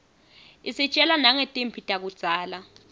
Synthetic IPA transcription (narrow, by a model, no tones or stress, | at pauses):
isit͡ʃʼɛlanaŋɛtʼempʰitʼak̬ud̥z̥ʱaːla